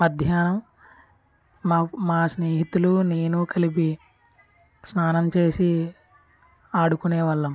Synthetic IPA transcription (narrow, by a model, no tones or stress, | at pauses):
mɐd̪ʱjaːnɐm | maːsneːɦit̪ulune̞ːnukɐlip̬i | snaːnɐmt͡ʃeːsi | aːɽukuneːʋɐɭːɐm